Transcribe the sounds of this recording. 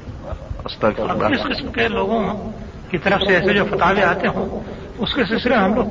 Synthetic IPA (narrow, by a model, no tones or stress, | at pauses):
ɐst̪ɐkɐɪsqɪsmkeloːɡõm̃ | kit̪ɐɾəfseɛːsed͡ʒoːfɐt̪aːʋeaːt̪eɦõː | ʊskes̬esɪləɦɐmloːɡ